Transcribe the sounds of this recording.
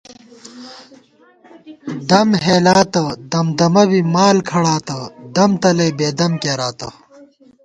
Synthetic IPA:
d̪ɐmɦeːlaːt̪ɐd̪ɐmd̪ɐmɐbimaːlkʰɐɽaːt̪ɐd̪ɐmt̪ɐlɐjbeːd̪ɐmkeːɾaːt̪ɐ

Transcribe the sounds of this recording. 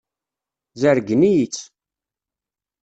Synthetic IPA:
zəɾɡənijit͡sː

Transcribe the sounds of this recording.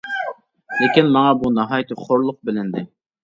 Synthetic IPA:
lɪkʲinmɑŋɑbunɑɦɑjt̪ʰɨχʰoɾlˠʊq̚bɪlɪnd̪ɪ

